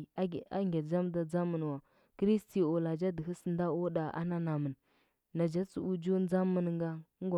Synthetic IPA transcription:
a̰˦ŋɡe˨d͡ʒa˦mda˨d͡za˦mə˨n˨wa˨ | kɾi˦sti˨o˨la˨d͡ʒa˦də˨ɦə˦sn˦da˦o˦da˨ʔa̰˦na˦na˨mə˨n | na˨d͡ʒa˦t͡su˨u˨d͡ʒu˦n˦d͡za˦mə˨nŋɡa˦ŋ˦ɡo˨

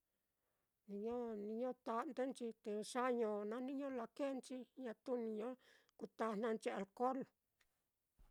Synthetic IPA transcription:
nĩ˧ɲõ˦nĩ˧ɲõ˦t̪a˧nd̪e˦nt͡ʃi˧t̪e˧ʂa˦ɲõ˧nã˦nĩ˦ɲõ˦la˧ke˦nt͡ʃi˧ɲã˧t̪u˦nĩ˧ɲõ˦ | ku˧t̪a˧n̥ã˧nt͡ʃi˧a˨lko˦l

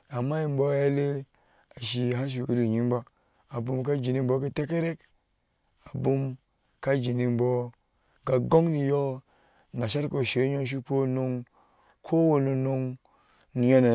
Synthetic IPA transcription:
a˨mːa˦ji˨m˦bo˦ja˦le˦ | a˨ʃi˨ɦa˦n˦ʃ̬i˨ṵ˨˦ɾi˦˨ɲi˦m˦ba˦ | a˨bu˦mka˦d͡ʒi˨ni˨m˦bo˨˦ki˦te˦ke˦ɾe˦k | a˨bu˦m | ka˦d͡ʒi˨ni˨mbo˨ | ɡa˨ɡo˦ŋni˨jo˦ | na˨ʃa˦ɾko˨ʃe˨˦ɲo˦ʃ̬i˦ko˦no˦ŋ | kʰo˦wo˨no˨no˦ŋ | ni˨ja˦na˨

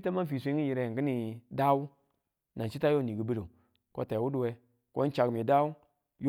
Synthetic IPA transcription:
ta˦ma˦fi˨sʷe˦ŋi˦ji˨ɾe˨ɡi˦ni˨da˦wu˦ | na˨t͡ʃi˦ta˦jo˦˨ni˨ɡi˨bi˦lo˨ | ko̰˦ta˨wu˦du˨we˦ | ko˦n˦t͡ʃa˨ɡmi˨da˦u˦ | j

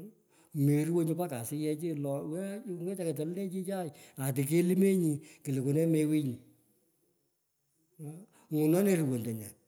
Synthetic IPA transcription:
me˨ɾu˦wo˦ɲu˧pa˦ka˨sɪ˦jɛ˧t͡ʃi˦lɔ˨wŋe˦t͡ʃa˦ke˨t̬ɔ˨lle˦t͡ʃi˦t͡ʃa˦˨ja˨t̬ɪ˨k̬e˦li˦me˦ɲi˨ki˨le˨ko˨nɛ˦me˦wi˦ɲi˨˦˨ | ŋu˨nɔ˦ne˨ɾu˨wo˨nde˨ɲa˨

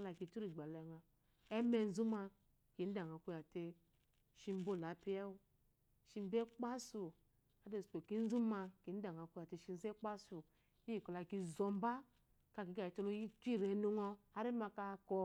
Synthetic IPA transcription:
la˨ki˨tu˦ɾi˨ɡ͡ba˨lŋa˨ | e˦me˦n̩˦zu˦ma˧ | ki˨˦n̩˦da˨ŋa˨kʷu˦ja˨te˧ | ʃi˦˧m̩˦bo˦˨la˨˦pi˦ɛ˦u˦ | ʃi˦m̩˦be˦k͡pa˦su˨ | a˦de˦˨spo˨ki˦n̩˦zu˦ma˧ki˨˦n̩˦da˨ŋa˨kʷu˦ja˨te˨ʃi˦n˦ze˦k͡pa˦su˨ | i˦i˨kɔ˨la˨ki˦˧˨zo˨m̩˦ba˦ | ka˨ki˨˦ka˨i˨to˦lo˦i˦tʷi˦˨ɾe˨˦no˦ŋɔ˧a˦ɾi˦ma˧ka˧kɔ˧

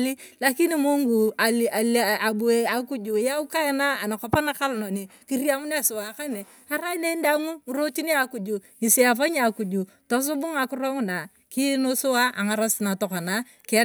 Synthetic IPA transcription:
li˦la˦ki˦ni˦mo˦ŋɡu˨a˨li˨a˨la˨bu˨e˨a˨ku˦d͡ʒu˨ja˦u˦ka˦e˦na˦a˨na˨kɔ˨pa˦na˦ka˦lno˨ni˨ki˦ɾi˦a˦mu˦n˦a˦˨sʊ˨wa˨ka˦ne˨ | a˦ɾa˦ne˦nda˦ŋu˦ɾo˦ti˦ni˦a˨ku˨d͡ʒu˨ | ni˨se˦a˨pa˦ɲ˦a˨ku˨d͡ʒu˨ | tɔ˦s̬u˦bʊ˦ŋa˨kʊ˦ɾɔ˦ŋʊ˦na˨ | ki˦no˦sʊ˦wa˦ʔa˨ŋa˨ɾa˦sɪ˨na˨tɔ˨ka˨na˦ | kɪ˨˦

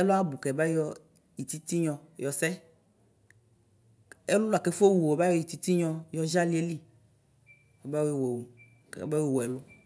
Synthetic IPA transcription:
ɛ˦lʊ˦a˦bu˨kɛ˨ba˦jɔ˦ | ji˨t̪i˦t̪i˦ɲɔ̃˨jɔ˨sɛ˦ | e˦lʊ˦la˨ke˨˦fo˦wu˨o˨ba˦jɔ˨i˨t̪i˦t̪i˦ɲɔ̃˨jɔ˦ʒa˦li˨˦e˦li˦ | kɛ˨ba˦je˦˨wɛ˨wu˨ | kɛ̰˨ba˦wi˦˨wɔ˨ɛ˨lʊ˦

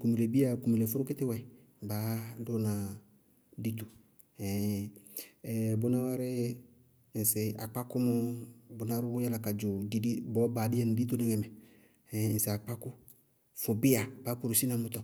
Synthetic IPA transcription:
ku˨mi˨le˨bi˦a˨ku˨mi˨le˨fʊ˦ɾʊ˦kɪ˦tɪ˦wɛ˨ | baː˨˦dʊ˦nã˨ | di˦t̪u˨ | ɛ˨ | bʊ˨nã˦wa˦ɾɪ˦˨ | n̩˨sɪ˨a˨k͡pa˦kʊ˦mʊ˦bʊ˨nã˦ɾʊ˦wʊ˦jɛ˦la˨ka˨d͡ʒʊ˨di˨˦di˦bɔ˨˦ba˨dɪ˦ɛ˦nɪ˨di˦t̪̬o˦nɪ˦ŋɛ˨mɛ˨ | ɛ˨n̩˨sɪ˨a˨k͡pa˦kʊ˦ | fʊ˨bɪ˦a˨baː˨˦ku˨ɾu˨si˦na˨mʊ˦t̪ɔ˨

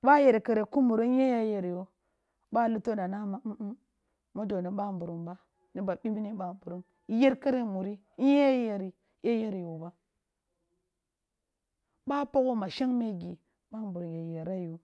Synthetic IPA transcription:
ba˦je˨ɾka˨ɾe˨ku˦mu˨ɾo˦e˦ja˦je˨ɾjo˦ | ba˦˨lu˦to˦da˨na˦ma˨˦ | mo˦do˨ni˨ɓa˦m˨bu˨ɾu˨mba˦ | ni˦ba˨ɓi˦bi˦ni˦ɓa˨m˨bu˨ɾu˦m˦ | je˦ɾka˦ɾe˦mu˨ɾi˦ | je˦ja˦je˨ɾi˨ | je˦je˦ɾjo˨ba˦ | ba˦po˦ko˦ma˨ʃe˦ŋme˦ɡi˨ | ɓa˦m˨bu˨ɾu˨je˨je˨ɾa˦ju˨

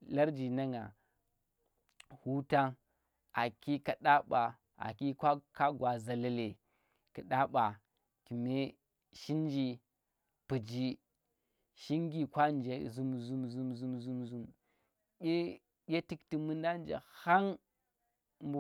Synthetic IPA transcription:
la˦ɾd͡ʒi˨na˦ŋa̰˨ | hu˦ta˦ŋ | a˨ki˦ka˨ɗa˦ɓa˨ | a̰˨ki˦kʷa˦ka˦ɡʷwa˨za˨la˦le˨ | ki˨ɗa˦ɓa˨ | ki˨me˦ | ʃi˦n˦d͡ʒi˦ | pu˨d͡ʒi˦ | ʃi˦ŋɡi˨kʷa˦nd͡ʒe˨zu˦mzu˦mzu˦mzu˦mzu˦mzu˦mʲ | e˦ | ɡʲe˦ti˦kti˨mu˦nda˦n˦d͡ʒa̰˨ha˦ŋ | mb

